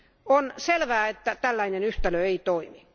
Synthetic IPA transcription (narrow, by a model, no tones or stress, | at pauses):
onselʋæːet̪ːæt̪ælːæinenyht̪æløeit̪oimi